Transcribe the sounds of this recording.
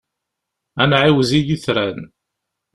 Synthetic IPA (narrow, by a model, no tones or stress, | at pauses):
ænʕiwzijiθɾæn